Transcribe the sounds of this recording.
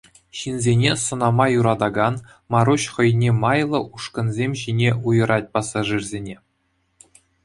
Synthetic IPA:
ɕinzʲenʲesŏnɑmɑjuɾɑd̪ɑɡɑn | mɑɾuɕχɤ̆jnʲemɑjlˠɤ̆ʔuʂkɤ̆nzʲemʲʑinʲeʔujɤ̆ɾɑt̚ʲpɑsɑʐɯrzʲenʲe

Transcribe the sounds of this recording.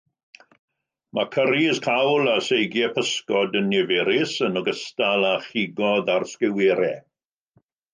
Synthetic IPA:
makʰəɾizkʰawlasejɡjɛpʰəskɔdənːɛvɛɾɪsənɔɡəstalˠaχiɡɔðarskɪwɛɾɛ

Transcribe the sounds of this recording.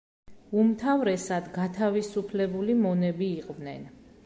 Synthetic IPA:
umt̪ʰavɾɛsad̪ɡat̪ʰavisupʰlɛbulimɔnɛbiːqʼvnɛn

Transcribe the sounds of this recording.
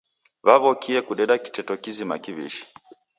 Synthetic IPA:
βaβɔkiɛkuɗɛɗaki̥tɛtɔkizima̰kiβḭʃi̥

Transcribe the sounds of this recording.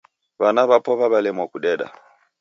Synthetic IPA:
βanaβapɔβaβalɛmwakuɗɛɗa̰

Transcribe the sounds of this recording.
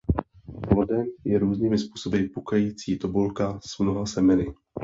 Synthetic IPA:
plodɛmjɛɾuːzniːmɪspuːso̞bɪpukajiːt͡siːt̪obulkaz̥mnoɦasɛmɛnɪ

